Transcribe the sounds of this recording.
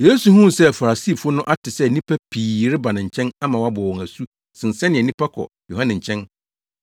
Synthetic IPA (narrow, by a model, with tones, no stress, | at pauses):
je˦su˨hũ˦˨sɛ˦fa˨ɾa˨siː˦˨fʊ˦ʊ˦nʊ̃˦ʔa˦tɪ˨sɛ˦˨nĩ˦pʰæ˦pʰiː˨ɾɪ˦ba˨nɪ̃˨ɲ̩˨t͡ɕʰɛ̃˦nã˦mã˨wa˦bɔ˨wɔ̃˨ŋæ˨su˦ | sɪ̃˨n˨sɛ˦nɪ̃˨ɛ˨nĩ˦pʰa˦kʰɔ̰˨ | jo˨hã˦nɪ̃˨ɲ̩˨t͡ɕʰɛ̃˦n